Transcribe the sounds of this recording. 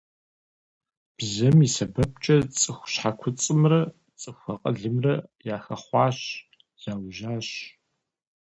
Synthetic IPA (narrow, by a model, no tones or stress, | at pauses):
b̥zɐmisɐbɐp̚t͡ʃʼɐt͡sʼɨxʷɕħakʷʰʊt͡sʼɨmrɐ | t͡sʼɨxʷɐqʼɐ̰ɮɨmrɐjaːxɐχʷɑːɕ | z̥aːwʒaːɕ